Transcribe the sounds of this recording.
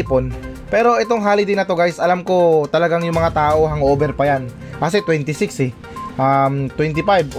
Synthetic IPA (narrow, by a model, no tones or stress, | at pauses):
pon | pɛːɾo̞ʔɛt̪o̞ŋɦaːlɪd̪ɪnɐt̪o̞ɡajsʔɐlamko̞t̪ɐlɐɡaŋjʊŋmɐŋat̪aːʔo̞ɦɐŋʔoːbɛɾpɐjan | kɐs̬ɛt̪wɛnt̪ɪsɪksɛ | ʔamt̪wɛnt̪ɪpajb